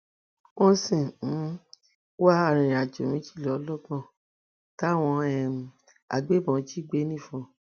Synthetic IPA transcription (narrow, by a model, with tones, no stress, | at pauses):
wɔ̃˦sĩ˦˨˦ | wa˦a˦˨ɾ̃ĩ˨ɾa˨d͡ʒo˨mĩ˨˦ti˦˨lɔ˨˧˦lɔ˦ɡɔ̃˦˨ | ta˦˨w̃ɔ̃˧ɛ˨ | a̰˨ɡ͡be˨˦mɔ̃˨˦d͡ʒi˦ɡ͡be˦nĩ˦˨fɔ̃˧